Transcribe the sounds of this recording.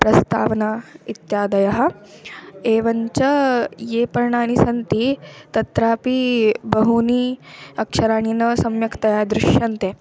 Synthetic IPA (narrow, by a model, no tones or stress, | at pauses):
pɾɐst̪a̰ːʋnait̪jad̪ɐjɐɦɐ | eʋɐɲt͡ɕɐjepɐɾɳañisɐnt̪it̪ɐt̪ɾaːpibɐɦuniɐkʂɐɾaːɳ̃inɐsɐmjɐkt̪ɐjad̪ɾuʂjɐnt̪e